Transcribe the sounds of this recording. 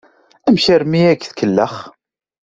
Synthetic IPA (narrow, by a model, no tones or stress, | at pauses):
æmçəɾmiækθkəlːəχ